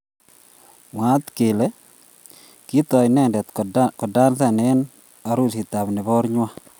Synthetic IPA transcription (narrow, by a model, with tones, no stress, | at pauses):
ŋa˨˦t̪ke˨le˦ | ki˦t̪ɔ˨jnɛ˦˨ndɛ˨t̪kɔ˨da˦lta˦˨nɛ˦n | a˨ɾu˦si˨t̪a˨bnɪ˨bɔ˦ɾɲwa˦